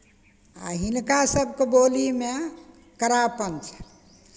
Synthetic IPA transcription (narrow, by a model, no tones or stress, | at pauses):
a̰ɦinkasəb̚ʱkebolime | kəɾapənt͡ʃʰɛ̥